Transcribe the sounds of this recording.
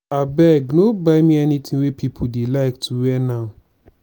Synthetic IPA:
abɛɡnobaɪmĩɛnitʰĩŋwepʰipʰodelaɪktʰuwɛnaʊ

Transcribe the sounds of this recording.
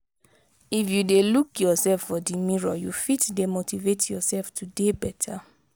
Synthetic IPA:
ifjudelukjɔsɛlfːɔdimiɹɔjufitdemotivetʰjɔsɛlftʰudebɛtʰa

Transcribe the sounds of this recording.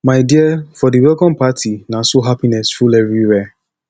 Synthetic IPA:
maɪdiafɔdiwɛkɔ̃npatʰinãsoɦapinɛsfulɛɾiɾɛ

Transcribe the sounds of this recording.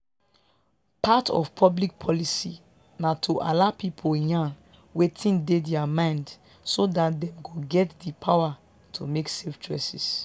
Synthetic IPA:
pʰatɔ̰fpʰɔblik̚pʰɔlisi | natʰoʔa̰lapipʰojãn | wetʰĩndedɛamãɪ̃nd | sodatdɛ̃mɡoɡɛtdipʰawa | tʰomekseftɹɛsḭs

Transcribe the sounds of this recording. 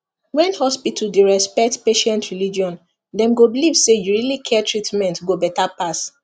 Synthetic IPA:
wɛ̃nhɔspitʰuldeɹɛspɛk̚tpeʃɛ̃ntɹilid͡ʒiɔ̃n | dɛ̃mɡobilivsejuɹilikʰɛtʰɹitmɛ̃ntɡobɛtapas

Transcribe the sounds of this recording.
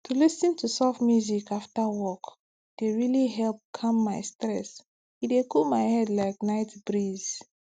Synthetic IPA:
tʰulisə̃ntʰusafmjuzikʰaftawɔk | d̥eɹiliɦɛlp̚kʰãmːaɪstɹɛs | idekʰumaɪhɛdlaɪk̚naɪtbɹiz̥

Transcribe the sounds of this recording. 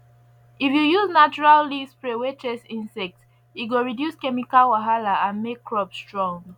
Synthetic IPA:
ifjujuznat͡ʃuɹalːispɹewet͡ʃɛsĩnsɛk̚t | iɡoɹidjuskɛmikalwaɦalaãnmekːɹɔpsstɹɔ̃ŋ

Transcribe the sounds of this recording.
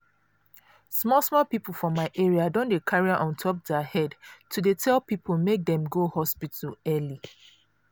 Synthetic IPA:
smɔlˠsmɔlˠpipəfɔmaɪʔeɹiadõndekʰaɹiaʔɔ̃ntʰɔp̚dɛhɛdtʰudetʰɛlˠpipʰəlˠmek̚dɛ̃mɡohɔspitəlɛli

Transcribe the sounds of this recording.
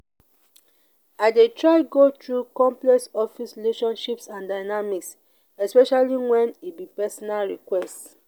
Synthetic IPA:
aɪdetɹaɪɡotɹukɔ̃mplɛksɔfisɹileʃɔ̃nʃipsãndaɪnamiks | ɛspɛʃaliwɛ̃nibipɛsɔnalɹikwɛst

